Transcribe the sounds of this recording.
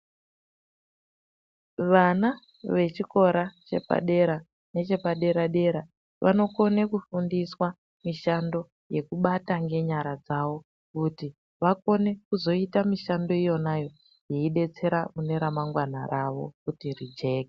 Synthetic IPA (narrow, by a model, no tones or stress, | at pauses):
ʋana | ʋe̞t͡ʃiko̞ɾat͡ʃe̞̰pa̰ɗe̞ɾa | ne̞t͡ʃe̞paɗe̞ɾaɗe̞ɾa | ʋʔa̰no̞ko̞ne̞kufundiswa | miʃando̞ | je̞kuɓataŋɡe̞ɲaɾad͡zaʋo̞ | kuti | ʋako̞ne̞kuzo̞itamiʃando̞ijo̞najo̞ | jeiɗe̞t͡se̞ɾamune̞ɾamaŋɡwanaɾaʋo̞̰kutirid͡ʒe̞ːke